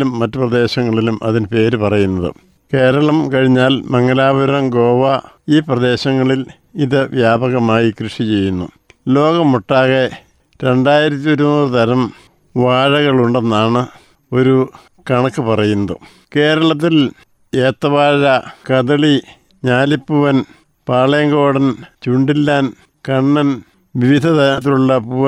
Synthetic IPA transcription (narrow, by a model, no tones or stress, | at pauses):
umːɐtːɨprɐd̪e̞ːɕɐŋːɐɭilumʔɐ̰ðinɨpe̞ːɾupɐrɐjunːɐðɨ̰ | ke̞ːɾɐɭɐmkɐɻiɲːaːlmɐŋːɡɐlaːbɐɾɾɐmɡo̞ːʋɐiːprɐd̪e̞ːɕɐŋːɐɭil | iðɨʋjaːbɐɣɐmaːjikrɨʂit͡ɕe̞jːunːṵ | lo̞ːɣɐmuʈːaːɣe̞ | ɾe̞ɳɖaːjiɾɐt̪ːio̞ɾunuːrɨt̪ɐɾɐm | ʋaːɻɐɣɐɭuɳɖe̞nːaːɳɨ | o̞ɾu | kɐɳɐkːɨpɐrɐjunːɐðɨ̰ | ke̞ːɾɐɭɐt̪̬ːil | eːt̪ːɐʋaːɻɐkɐðɐɭi | ɲaːlipːuʋɐn | paːɭɐjɐŋɡo̞ːɽɐnt͡ɕuɳɖilːaːn | kɐɳːɐn | ʋiʋid̪ʱɐt̪ɐnɐt̪ːiluɭːɐpuʋɐ